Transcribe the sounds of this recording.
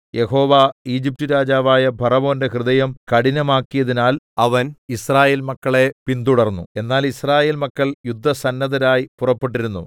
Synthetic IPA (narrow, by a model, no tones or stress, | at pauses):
je̞ɦo̞ːʋaːiːd͡ʑip̚tuɾaːd͡ʑaːʋaːjɐbʱɐrɐmo̞ːnde̞hrɨðɐjɐmkɐɽinɐmaːkːijɐðinaːlɐʋɐnisraːje̞ːlmɐkːɐɭe̞pint̪uɽɐrnːṵe̞nːaːlisraːje̞ːlmɐkːɐɭjud̪ʱːɐsɐnːɐðɐɾaːjipurɐpːeʈ̬ːiɾunːu